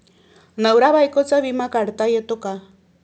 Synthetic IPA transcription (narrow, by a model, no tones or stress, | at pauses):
nawɾaβajkot͡saβimakaɾt̪ajet̪oka